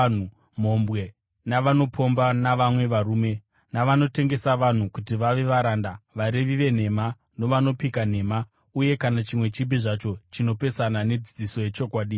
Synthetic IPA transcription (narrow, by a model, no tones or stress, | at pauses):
u | m̤o̞mbwe̞ | naʋano̞pʰo̞mbanaʋamwe̞ʋaɾuːme̞ | naʋano̞te̞ŋɡe̞saʋan̤ukutiʋaʋe̞ʋaɾandaʋaɾe̞ʋiʋe̞n̤e̞ma | no̞ʋano̞pikan̤e̞ma | uje̞kanat͡ʃimwe̞t͡ʃibiʐat͡ʃo̞t͡ʃino̞pe̞sanane̞d͡zid͡ziso̞je̞t͡ʃo̞kwaːɗi